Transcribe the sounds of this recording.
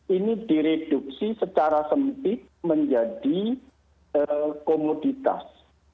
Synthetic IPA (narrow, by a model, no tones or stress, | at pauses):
ʔinid̥iɾed̥uk̚sisət͡ʃaɾasəmpɪt̪̚məɲd͡ʒad̥i | əkomod̥it̪a̰s